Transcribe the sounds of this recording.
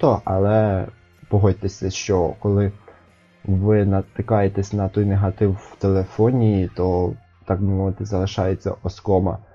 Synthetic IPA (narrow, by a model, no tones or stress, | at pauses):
t̪ɔʔɐlˠɛ | pɔɦɔjʲt̪esʲɐʃt͡ʃɔkɔlˠɪ | ʋɪnɐt̪ɪkɑjet̪ɛsʲnɐt̪ɔjneɦɐt̪ɪwwt̪elˠefɔnʲijit̪ɔ | t̪ɑk̚bɪmɔʋɪt̪ɪzɐlˠɪʃɑjet͡sʲːɐ̰ʔɔskɔmɐ̰